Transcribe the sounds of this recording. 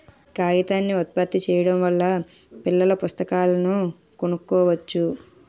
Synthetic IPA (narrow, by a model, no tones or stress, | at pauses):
kaːjit̪aːnːiɔt̪̚pɐt̪ːit͡ʃɛːjɐɽɐmʋɐlːɐ | pilːɐlɐpust̪ɐkaːlɐnu | konukːɔːʋɐt͡ʃːu